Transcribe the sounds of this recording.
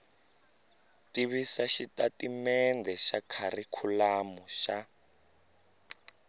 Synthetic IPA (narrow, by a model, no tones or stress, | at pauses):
tiβisaʃitatimɛndʱɛʃakʰarikʰulamuʃa